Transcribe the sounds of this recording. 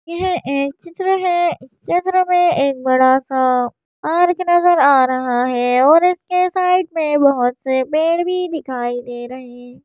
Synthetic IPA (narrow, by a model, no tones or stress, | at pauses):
jɐɦɛʔeːk̚t͡ʃɪt̪ɾəɦɛt͡ʃɪt̪ɾəmẽeːk̚bɐɽasa | aːɾknɐzəɾaːɾɐɦaɦɛːɔːɾɪskesaːɪʈmẽbɐɦʊt̪sebeːɽbʱid̪ɪkʰaːid̪eɾɐɦẽ